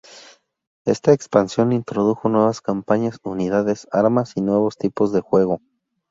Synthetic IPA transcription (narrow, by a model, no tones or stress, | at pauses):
e̞st̪aekspansjo̞nint̪ɾo̞ðuxo̞nwe̞β̞askampaɲasuniðaðe̞saɾmasinwe̞β̞o̞st̪ipo̞zðe̞xwe̞ɣ̞o̞